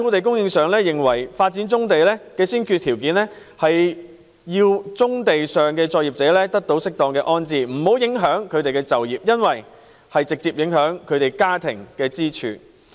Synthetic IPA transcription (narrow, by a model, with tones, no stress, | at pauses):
t̪ʰo˨˥wt̪e˨jkʊ˥ŋjɪ˧ŋsœː˨ŋlɛː˥jɪ˨˩ŋwɐ˨˩jfaː˧t̚t͡siː˨˥nt͡sʊ˥ŋt̪e˨jlɛː˥kɛː˧siː˥nkʰy˧t̪ʰiː˨˩wkiː˨˥nlɛː˥ | hɐ˨j | jiː˧wt͡sʊ˥ŋt̪e˨jsœː˨ŋkɛː˧t͡sɔː˧k̚jiː˨p̚t͡sɛː˨˥lɛː˥t̪ɐ˥k̚t̪o˨˧˥wsɪ˥k̚t̪ɔː˨˧ŋkɛː˧ʔɔː˥nt͡siː˨˧m̩˨˩ho˨˥wjɪ˨˥ŋɦœː˨˥ŋkʰɵ˨˧ɥt̪e˨jkɛ˧t͡sɐ˨wjiː˨p̚jɐ˥nwɐ˨j | hɐ˨jt͡sɪ˨k̚t͡siː˧p̚jɪ˨˥ŋɦœː˨˥ŋkʰɵ˨˧ɥt̪e˨jkaː˥t̪ʰɪ̰˨˩ŋkɛː˧t͡siː˥t͡ʃʰy̰ː˧